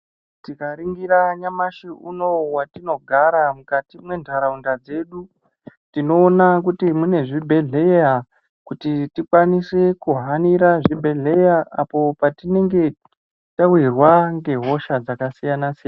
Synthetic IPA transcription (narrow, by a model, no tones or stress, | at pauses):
tikaɾiŋɡiɾaɲamaʃiuno̞watino̞ɡʱaɾamukatimwe̞ndʱaɾaundad͡ze̞ːɗu | tino̞ːnak̬utimune̞ʐibʱe̞ɮe̞ja | kutitikwanise̞kuɦaniɾaʐibʱe̞ɮe̞jaapo̞patine̞ŋɡe̞ | tawirwaŋɡe̞ɦo̞ʃad͡zakasijanasijan